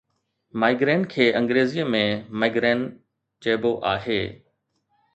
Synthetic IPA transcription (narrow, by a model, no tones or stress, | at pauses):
maːɪɡɾeːnkʰeːʔɐ̃ŋɡɾeːziəmẽmaɪɡɾeːn | t͡ɕeːboʔa̰ːɦeː